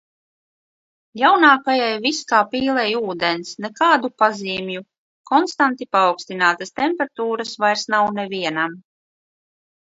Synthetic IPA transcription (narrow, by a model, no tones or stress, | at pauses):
jawnaːkajajviskaːpiːlˠɛjuːd̪ensnɛkaːd̪upaziːmju | kɔnst̪ant̪ipaːwkst̪inaːt̪ast̪empʲɛɾt̪uːɾasvajɾsnawnɛviɛnam